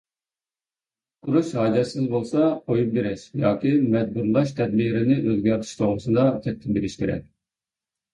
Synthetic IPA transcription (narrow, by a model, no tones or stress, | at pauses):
qʰuɾuʃhɑːd͡ʒɛsɪzbolˠsɑqʰojup̚beɾɛʃjɑːkʲimɛd̪̚buɾlˠɑʃt̪ʰɛd̪̚biːɾɪnɪʔøzɡʲɛɾt̪ʰi̥ʃt̪ʰoʁɾusɨd̪ɑt͡ʃʰɛk̚ʲt̪ʰɪmbeɾɪʃkʲʰeɾɛ̰k̚ʲ